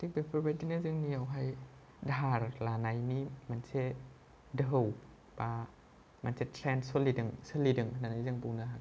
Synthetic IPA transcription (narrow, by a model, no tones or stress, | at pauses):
sipenpʰobet̪̚inɯzɯŋniəwɦaj | daːɾlaːnajniːmanse | dəw | paː | mansit̪ʰɾɛːnsulidɯŋsɯlidɯŋʰnanazɯŋpuŋnaha